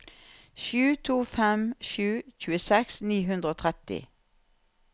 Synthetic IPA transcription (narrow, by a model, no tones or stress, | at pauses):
ʃʉːt̪ʰuːfɛmʃʉːc͡çʉːəsɛksniːɦʉnd̪ʁəoːt̪ʰʁɛt̪ɪ̰